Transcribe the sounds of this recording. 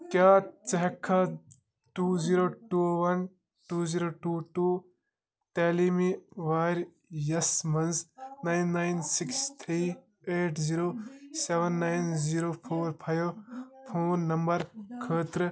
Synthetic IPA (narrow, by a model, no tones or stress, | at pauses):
kjaːt͡ʃɐɦɛkʰːa | ʈuːziːɾoːʈuːʋɐn | ʈuːziːɾoːʈuːʈuː | t̪eːlimiʋaːɾ | jɐsmɐnznaːjnːajnsɪkst̪ʰɾiː | eːʈʰziːɾoːseʋɐnːajnziːɾoːpʰoːɾpʰɐjoːpʰoːnːɐmbɐɾkʰəːt̪ɾ